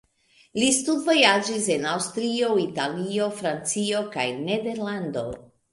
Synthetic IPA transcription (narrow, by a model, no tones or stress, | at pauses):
listudvo̞jad͡ʒise̞nawstɾio̞italio̞fɾant͡sio̞ka̰jne̞de̞ɾlando̞